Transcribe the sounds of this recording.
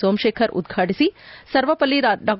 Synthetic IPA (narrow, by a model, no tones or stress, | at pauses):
oːmʃeːkʰɐɾṵd̪̚ɡʱaːʈisisɐɾʋɐpɐlːiɾaɖaː